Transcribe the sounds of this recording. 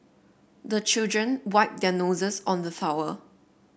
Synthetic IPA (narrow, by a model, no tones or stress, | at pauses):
dət͡ʃildɹə̃nwaɪp̚dɛnozəsɔ̃ndəθawə